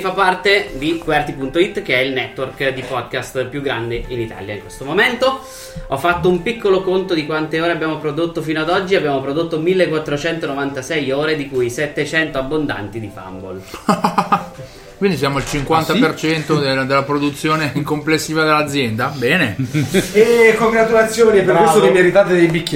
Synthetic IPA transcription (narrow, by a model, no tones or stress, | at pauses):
fapːart̪ed̪ikwɛrt̪ipunt̪oit̪ːk̟eɛilnɛt̪ːworkd̪ipɔd̪̚kast̪pjuɡːɾand̪einit̪a̰ːljaiŋkwest̪omoment̪o | ɔfːat̪ːoumpikʰːolokont̪od̪ikwant̪eoːɾeabːjaːmopɾod̪ot̪ːofiːnoad̪ɔd͡ʒːiabːjaːmopɾod̪ot̪ːomilːekːwat̪ːɾot͡ʃɛnt̪onovant̪asɛjoːɾed̪ikujset̪ːet͡ʃɛnt̪oabːond̪a̰nt̪id̪ifa̰mbo̰l | kkwind̪isjaːmoilt͡ʃiŋkwant̪apert͡ʃɛnt̪od̪ed̪elːapɾod̪ut̪sːjoːneŋkomplesːiːvad̪elːad̪zːjɛnd̪abɛːneelekoŋɡɾat̪ulat̪sːjoːniɛpeɾkwesst̪okemiaɾit̪aːt̪ed̪ejbikʲː